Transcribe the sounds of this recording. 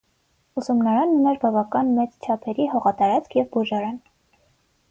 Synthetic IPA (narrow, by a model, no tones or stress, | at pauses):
usumnɑɾɑnunɛɾbɑvɑkɑnmɛt͡st͡ʃʰɑpʰɛɾihɔʁɑt̪ɑɾɑt͡skʰjɛvbuʒɑɾɑn